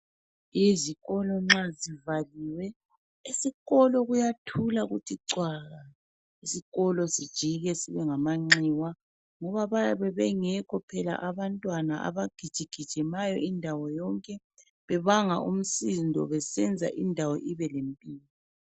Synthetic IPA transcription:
iziɣɔlɔŋ͡ǁazivaliːwɛ | isiɣɔlɔɣujatʰulaɣutʰiǀwaːɣa | isiɣɔlɔsid̥ʒ̥ʱiɣɛsiβɛŋamaŋ͡ǀiwa | ŋɔβaβaβɛβɛŋɛkʰɔpʰɛla̰ʔaβantʼwanaʔa̰βaɡ̥ʱid̥ʒ̥ʱiɡ̥ʱid̥ʒ̥ʱɛmajɔʔindʱawɔjɔŋkʼɛ | βɛβaŋa̰ʔum̩sindʱɔ̰βɛsɛnd͡zʱa̰ʔindʱawɔ̰ʔiβɛlempʼiːlɔ

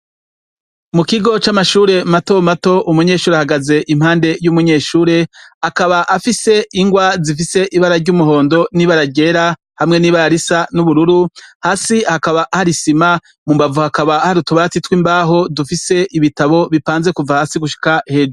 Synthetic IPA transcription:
mukiɡo̞t͡ʃamaʃuːɾe̞mato̞mato̞ʔumuɲe̞ːʃuːɾehaɡaze̞ʔimhaːnde̞jumuɲe̞ːʃuːɾe̞akaβaʔafise̞iŋɡwazif̬ise̞ʔiβaɾaɾɟumuɦo̞ːndo̞niβaɾaɟe̞ɾa | hamŋe̞niːβaɾaɾisanuβuɾuɾuhaːsihakaβaʔahaɾisima | mumbavuhakaβaːhaɾutuβaatitwimbaːɦo̞dufise̞ʔiβitaβo̞βipaːnze̞kuvahaːsiɡuʃi̥kahe̞d͡ʒu

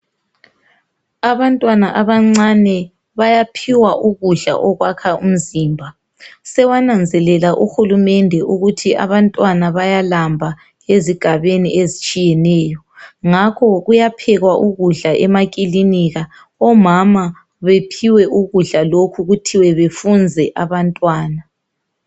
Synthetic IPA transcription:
aβantʼwanaʔaβaŋ͡ǀanɛ | βajapʰiwaʔuɣuɮa̰ʔɔɣwakʰaum̩ziːmbʱa | sɛwanand͡zʱɛlɛlaʔuxulumɛndʱɛʔuɣutʰiʔa̰βantʼwanaβajalambʱa | eziɡ̥ʱaβeniʔezit͡ʃʼijɛnɛːjɔ | ŋakʰɔɣujapʰɛɣwaʔuɣuɮaʔɛmakʼiliniɣa | ɔmama | βepʰiwɛʔuɣuɮalokʰuɣutʰiwɛβefund͡zʱɛʔaβantʼwaːna

